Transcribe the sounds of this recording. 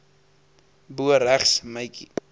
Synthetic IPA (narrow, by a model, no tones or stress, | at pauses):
buəɾæχsməjki